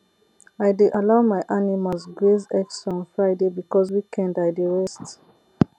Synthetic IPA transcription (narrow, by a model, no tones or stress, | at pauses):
ajdeʔalaʊmajʔanimalzɡɹezɛksɔ̃nfɹaɪdebikɔzwikʰɛ̃ndajdəɹɛst